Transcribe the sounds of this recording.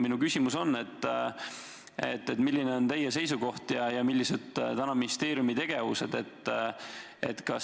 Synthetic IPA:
minukysʲimuso̞nːe̞t̪ːˑ | ḛt̪ːe̞t̪milʲːine̞o̞nt̪e̞jːese̞jsuko̞ht̪jɑjɑmilʲːise̞d̪̥t̪ænɑminist̪e̞ːɾjumit̪e̞ɡ̥e̞vuse̞d̪̥e̞t̪ːˑ | e̞̰t̪kɑs

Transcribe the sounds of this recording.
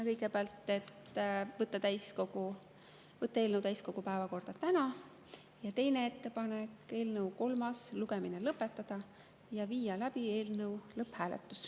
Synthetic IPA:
kɤjɡepɑlt̪ːe̞t̪ːvɤt̪ːˑɑt̪æjsko̞ɡu | vɤt̪ˑːɑe̞lnəwt̪æjsko̞ɡ̥upæevɑko̞rd̪̥ɑt̪ænɑ | jɑt̪e̞jnee̞t̪ːe̞pɑnekːe̞ːlnɤwko̞lmɑsluɡe̞minelɤpːˑe̞t̪ːˑɑd̪̥ɑ | jɑviːjɑlæbie̞ːlnɤwlɤphæːlḛt̪ːˑu̥s

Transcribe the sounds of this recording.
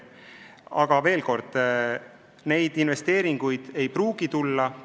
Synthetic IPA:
ɑɡ̥ɑve̞ːlko̞rd̪̥ | ne̞jd̪̥inve̞st̪e̞ːɾiŋɡ̥ujd̪̥e̞jpruːɡ̥it̪ulːɑ

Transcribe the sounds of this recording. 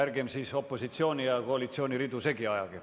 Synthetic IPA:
ærɡemsiːso̞pːˑo̞sit̪sio̞ːnʲijɑkoɑlit̪sio̞ːnʲiɾid̪use̞ɡiɑjɑɡ̥i

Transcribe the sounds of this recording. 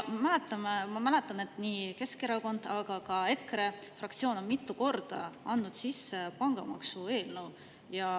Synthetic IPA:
mælet̪ˑːɑmemɑmæle̞t̪ːˑɑne̞t̪ːˑniːke̞ske̞ɾɑko̞nd̪̥ɑɡ̥ɑkɑe̞kre̞frɑkt̪sio̞ːno̞nmit̪ːˑuko̞rd̪̥ɑ̰ɑnːud̪̥sisːepɑŋɡ̥ɑ̰mɑ̰ksue̞ːlnew | jɑ

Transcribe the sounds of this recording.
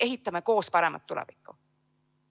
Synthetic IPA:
e̞ɦit̪ːˑɑmeko̞ːspɑɾe̞mʔɑ̰t̪ːulɛ̰vikːˑu

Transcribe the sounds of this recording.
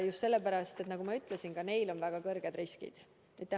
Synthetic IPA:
just̪se̞lːepæɾɑst̪e̞t̪nɑɡumɑyt̪ˑlesinɡ̥ɑne̞jlo̞nvæɡ̥ɑkɤrɡ̥ed̪ɾiskḭd̪̥ | it̪ːˑe

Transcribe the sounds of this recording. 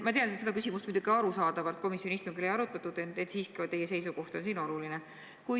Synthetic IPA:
mɑt̪eɑnet̪se̞d̪ɑkysʲimust̪mujd̪uɡiɑɾusɑːd̪̥ɑvɑlt̪̚ko̞misjoniist̪uŋɡileɑɾut̪ːˑɑt̪ːˑud̪̥et̪ːet̪ːˑsiːskiot̪e̞jese̞jsuko̞ht̪o̞nsiːno̞luline | kuj

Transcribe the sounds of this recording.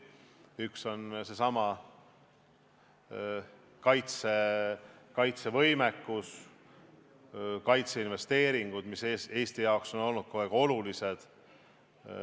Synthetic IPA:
ykso̞nse̞sɑmɑ | kɑjt̪se̞ | kɑjt̪se̞vɤ̞jmekːus | kɑjt̪seinve̞st̪e̞ːɾiŋɡ̥ud̪̥mise̞ːst̪ijɑokso̞no̞lnud̪̥̚koeɡ̥o̞lulise̞d̪̥

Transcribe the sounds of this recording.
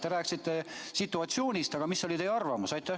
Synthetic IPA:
t̪e̞ɾæːkːˑsit̪ˑːe̞sit̪ːˑuɑt̪sjo̞ːnʲist̪ɑɡ̥ɑmisːo̞lʲit̪e̞jɑrvɑmusɑjt̪ːˑæh

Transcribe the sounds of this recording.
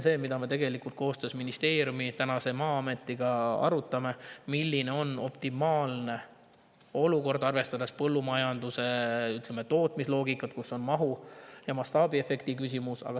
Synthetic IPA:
se̞ːmid̪ɑme̞t̪e̞ɡe̞likult̪̚ko̞ːst̪øːsminist̪e̞ːɾʲjumit̪ænɑse̞mɑːɑme̞t̪ːˑiɡ̥ɑɑ̰ɾut̪ːˑɑme̞milːine̞o̞no̞pt̪imɑːlne̞ | o̞luko̞rd̪ɑrve̞st̪ɑd̪espɤ̞lːumɑjɑnd̪̥use̞yt̪lemet̪o̞ːt̪ˑmislo̞ːɡikːˑɑt̪̚kuso̞nmɑɦujɑmɑst̪ɑːbie̞fe̞kt̪ikysʲimusɑ̰ɡ̥ɑ

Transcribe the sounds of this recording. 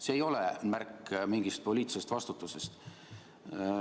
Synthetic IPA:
se̞ːjo̞lemærkːmiŋɡ̥ist̪̚po̞liːt̪sest̪vɑst̪ut̪ːˑuse̞st̪

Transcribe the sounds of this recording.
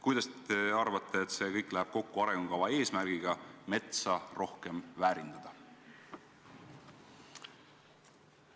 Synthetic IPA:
kujd̪ɑst̪e̞ɑrvɑt̪ʰːˑe̞ːt̪ːˑse̞ːkɤjkːˑlæɦæb̥ko̞kːuɑɾeŋɡukɑvɑe̞ːsmærɡ̥iɡ̥ɑme̞t̪sɑro̞hkemvæːɾind̪̥ɑd̪̥ɑ

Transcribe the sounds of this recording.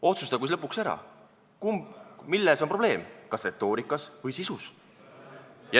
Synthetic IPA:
o̞t̪sust̪ɑkujs̬lɤpːˑukseɾɑ̰ | kumilːesompro̞b̥le̞ːmkɑsre̞t̪ːˑo̞ːɾikːˑɑsvɤjsisus | jɑ

